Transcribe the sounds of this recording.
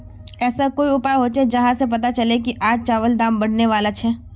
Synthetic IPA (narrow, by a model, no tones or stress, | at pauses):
ɛːsakoːiʊpaɦoːt͡ʃed͡ʒɐɦãsep̬ɐt̪at͡ʃɐlekiʔaːd͡ʒt͡ʃaːʋəld̪aːmbɐɽ̤neʋaːlat͡ʃʰɛː